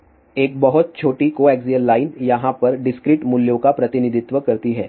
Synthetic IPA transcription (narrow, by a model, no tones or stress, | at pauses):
eːk̚bɐɦʊt̪̚t͡ʃʰoːʈikoːɛːkzijəlːaːɪnjɐɦãpɐɾɖɪskɾɪːʈmʊljõkapɾɐt̪ɪnɪd̪ʱɪt̪ʋəkɐɾt̪iɦɛː